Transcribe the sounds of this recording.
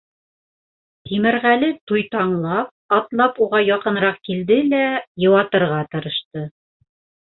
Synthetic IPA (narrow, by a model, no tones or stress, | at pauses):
t̪imɘ̆ɾʁælɘt̪ujt̪ɑɴlˠɑp̚ɑt̪lˠɑpuʁɑjɑqɤ̆nɾɑq̚kild̪ɘlæjɤ̆wɑt̪ɤ̆ɾʁɑt̪ɤ̆ɾɤ̆ʃt̪ɤ